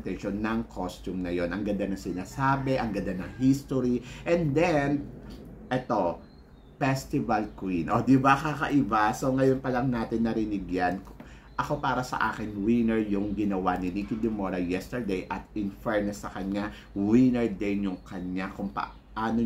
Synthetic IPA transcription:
t̪ɛʃonːɐŋkʰost̪umnɐjo̞nʔɐŋɡɐnd̪anɐŋsɪnaːsaːbɛʔɐŋɡɐnd̪anɐŋhist̪oɾiʔɛnd̪ɛnʔɛt̪o̞ | pɛst̪ɪvɐlkwinʔod̪ɪbakakɐʔɪbaso̞ŋɐjonpɐlɐŋnaːt̪ɪnːɐɾɪnɪɡjank | ʔɐko̞paːɾɐsɐ̰ʔa̰ːkɪnwinɛɹjʊŋɡɪnɐwanɪnikɪd̪ɪmoɾɐjɛst̪ɛɹd̪ɛjʔɐt̪̚ɪnfɛɹnɛsːɐkɐɲa | winɛɹd̪ɛnjʊŋkɐɲakʊŋpɐ̰ | ʔaːno

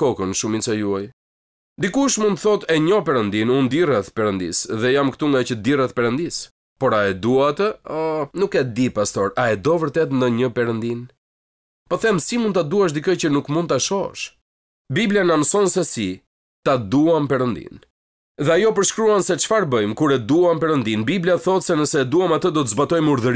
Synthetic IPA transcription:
kɔkənʃumit͡sajuaj | d̪ikuʃmund̪t̪θɔt̪ɛɲɔpɛɾənd̪inund̪irɛt̪pɛɾənd̪ḭsðɛjamkə̥t̪uŋɡacəd̪irɛt̪pɛɾənd̪is | pɔɾaɛd̪uat̪əɔnukɛd̪ipast̪ɔɾaɛd̪ɔvəɾt̪ɛt̪nd̪əɲəpɛɾənd̪in | pɔθɛmsimund̪t̪ad̪uaʃ̬d̪ikɔjt͡ɕənukmund̪̚t̪aʃɔɛ̰ʃ | biblianamsɔnsɛsi | t̪ad̪uampɛɾənd̪ḭn | ðɛajɔpəɾʃkɾuansɛt͡ʃfaɾbəjmkuɾɛd̪uampɛɾənd̪inbibliaθɔt̪sɛnəsɛd̪uamat̪əd̪ɔt̪əzbat̪ɔjmuɾðəɾ

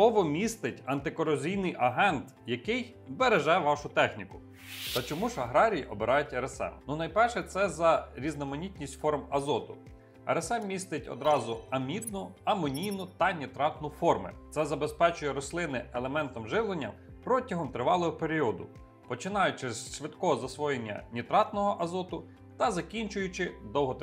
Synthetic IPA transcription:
ɔʋɔmʲist̪ɪtʲɐnt̪ɪkɔɾɔzʲijnɪjʔɐɦɛnt̪ | jɐkɪj | beɾeʒɛʋɑʃʊt̪ɛxnʲikʊ | t̪ɐt͡ʃɔmuʒɐɦɾɑɾʲijiʔɔbeɾɑjtʲɐɾesɛ̰mnunɐjpɛrʃɛt̪sɛzɐɾʲiznɐmɐnʲitʲnʲisʲtʲfɔrmɐzɔt̪ʊ | ɐ̰ɾesɛmmʲist̪ɪtʲɔ̰d̪ɾɑzʊɐmʲit̪nʊɐmɔnʲijnʊt̪ɐnʲit̪ɾɑt̪nʊfɔrmɪ̰t̪sɛzɐbespɛt͡ʃʊjɛɾɔslˠɪnɪelˠemɛnt̪ɔmʒɪʋlˠenʲːɐ̰ | pɾɔtʲɐɦɔmt̪ɾɪʋɑlˠɔɦɔpeɾʲiɔd̪ʊ̰ | pɔt͡ʃɪnɑjʊt͡ʃɪsʃʋɪd̪kɔɦɔzɐsʋɔjenʲːɐ̰nʲit̪ɾɑt̪nɔɦɔʔɐzɔt̪ʊ | t̪ɐzɐkʲinʲt͡ʃʊjʊt͡ʃɪd̪ɔwɦɔt̪

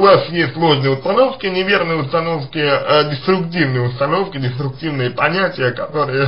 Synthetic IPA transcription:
ʊvasjesʲtʲlˠo̞ʐnɨjəʊst̪ɐno̞fkʲɪnʲɪvʲe̞rnɨjəʊst̪ɐnofkʲɪədʲɪst̪ɾʊktʲivnɨjʊst̪ɐno̞fkʲɪdʲɪst̪ɾʊk̚tʲivnɨjəpɐnʲætʲɪjəkɐt̪o̞ɾɨjə

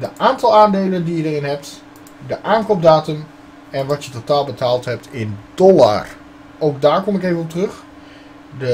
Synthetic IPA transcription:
dəʔaːntɑlˠaːndejləndijədərɪnɦɛp̚t | dəʔaːnkop̚daːtəm | ɛnʋɑtjətotaːlˠbətaːlˠtɦɛp̚tɪnd̥ɔla̰r | owɡ̚daːɹkɔmɪkejvənɔp̚tərɵχ | də

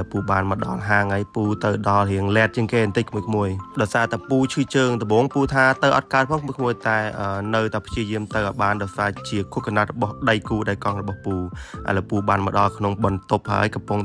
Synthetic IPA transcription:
puːɓaːnməɗɑ̰lɦaːŋajpuːt̪ɨwɗɑlhiəŋlɛət̪̚t͡ɕiəŋkeːnt̪ɨc̚kʰmuəjkʰmuəjɗaɔjsaːt̪aɛpuːt͡ɕʰɨːt͡ɕəːŋt̪ɗ̪ɔɓoːŋpuːt̪ʰaːt̪əwʔɑ̰t̪̚kaət̪̚pʰɔŋkʰmuəjkʰmuəjt̪aɛʔəːnɨwt̪aɛpʰt͡ɕiəjiəmt̪ɨwʔɔjɓaːnɗɑɔjsaːt͡ɕiəkʰuəkʰnat̪̚rɔɓɑhɗəjkuːɗaɛlkɑŋrɔɓɑhpuːʔa̰ɛləpuːɓaːnmɔɗɑlkʰnoŋɓɑnt̪op̚ha̰əjkɑmpʊŋ

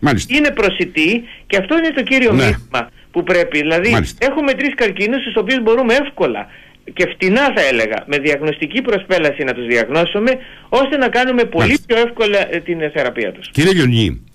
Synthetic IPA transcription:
mɐlsine̞pɾo̞sit̪ice̞ɐft̪o̞ine̞t̪o̞ciɾio̞mmiθimɐ | pupɾe̞piðilɐðilise̞xume̞t̪ɾiskɐɾcinust̪uso̞p̬iuzbo̞ɾumee̞fko̞lɐ̰ | ce̞ft̪inɐθɐe̞le̞ɣɐ̰me̞ðiɐɣno̞st̪icipɾo̞spe̞lɐsinɐt̪uzðiɐɣno̞some̞o̞st̪e̞nɐkɐnume̞po̞lipço̞e̞fko̞lɐt̪inθe̞ɾɐpiɐ̰t̪u̥sciɾieʎonḭ

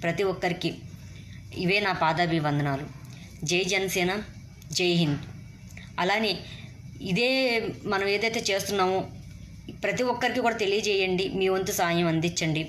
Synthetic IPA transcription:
pɾɐt̪iʋɔkːɐɾiki | iʋeːnaːpaːd̪ɐːbiʋɐnd̪ɐnaːlu | d͡ʒejd͡ʒɐnɐsɛːnɐ | d͡ʒejɦind̪ | ɐlaːneː | id̪eːmɐnɐmeːd̪ɐjt̪e̞ːt͡ʃe̞ːst̪unːaːmu | pɾɐt̪iʋɔkːɐɾikikuːɽaːt̪e̞lijɐd͡ʒɛːjɐɳɖimiːʋɐnt̪usaːjɐmɐnd̪it͡ʃːɐɳɖi

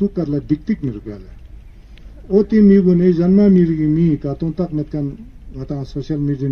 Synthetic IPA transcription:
sukarlad̪ik̚t̪ik̚miɾukjala | ot̪imiɡoneʑanmamiɾikimikat̪oŋt̪ak̚met̪̚kanŋat̪aŋsoɕalmidia

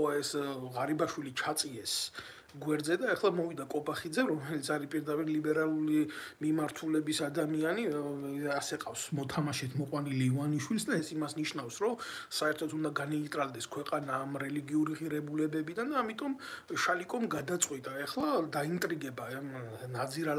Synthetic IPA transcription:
ɔɛsʁaɾibaʃwilit͡ʃʰat̪sʼiɛs | ɡwɛɾd̪zɛd̪aɛχlˠamɔvid̪akʼɔbaχid̪zɛɾɔmɛlit̪sʰaɾipʼiɾd̪apʼiɾlibɛɾalˠulimimaɾt̪ʰulɛbisad̪amianiasɛqʼafsmɔt̪ʰamaʃɛt̪ʰmɔqʼwaniliːvaniʃwilˠsd̪aɛsimasniʃnafsɾɔ | saɛɾt̪ʰɔt̪ʰund̪aɡanɛit̪ʼɾald̪ɛskʰwɛqʼanaːmɾɛliɡiuɾiʁiɾɛbulɛbɛbid̪and̪aːmit̪ʼɔmʃalikʼɔmɡad̪at̪sʼqʼwit̪ʼaɛχlˠad̪aint̪ʼɾiɡɛbaɛmnad̪ziɾa

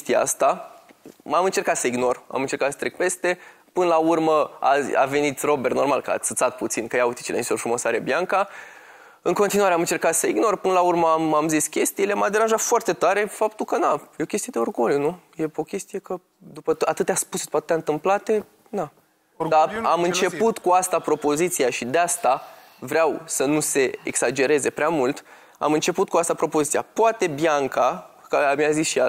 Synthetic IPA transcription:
t̪ija̰a̰st̪a | amɨnt͡ʃe̞rkat̪səiɡno̞ra̰mɨnt͡ʃe̞rkat̪sə̥t̪ɾek̚pe̞st̪e̞pɨnəlaurməa̰a̰ve̞nit̪ro̞berno̞rma̰lkəa̰ɨt̪sat̪̚put̪sinkəjaut̪i̥t͡ʃelḛnit̪orfɾumosaɾebjaŋka | ɨŋko̞nt̪inwaɾeamɨnt͡ʃe̞rkat̪səiɡno̞rpɨnəlaurməamamziskʲe̞st̪ijeleamad̪e̞ɾanʒat̪foart̪e̞t̪aɾe̞fapt̪ulkənajeo̞kʲest̪ied̪eorɡolʲjunuje̞o̞kʲe̞st̪ije̞kə | d̪upəat̪ɨt̪aspusd̪u̥pat̪et̪ːaɨnt̪ɨmplat̪e̞ | na | d̪aamɨnt͡ʃe̞put̪kuast̪apɾo̞po̞zit̪siaʃid̪east̪a | vɾeawsənuse̞ḛksad͡ʒe̞ɾe̞ze̞pɾeamult̪ | a̰mɨnt͡ʃe̞put̪̚kuast̪apɾo̞po̞zit̪sija̰poat̪e̞bjaŋka | kəmjazisʃia

